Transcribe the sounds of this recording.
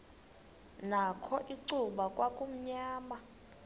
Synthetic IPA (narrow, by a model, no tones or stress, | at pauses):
nakʰɔʔiǀuɓakʼwakʼum̩ɲaːma